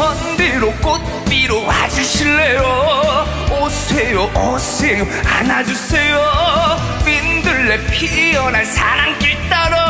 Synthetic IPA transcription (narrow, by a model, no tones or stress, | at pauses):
ʌndeɾok͈ot̪̚p͈iɾowa̰d͡ʑuɕʰiɭːejo | osʰejoʔʌsejo | anad͡ʑusʰejo | pind̪ɯɭːepʰiɾiʌnansʰaɾaŋk͈iɭt̪͈aɾ